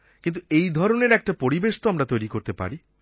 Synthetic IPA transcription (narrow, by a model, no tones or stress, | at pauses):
kint̪uejd̪ʱɔɾoneɾɛk̚ʈapoɾibeʃt̪oamɾat̪ojɾikoɾt̪epa̰ɾi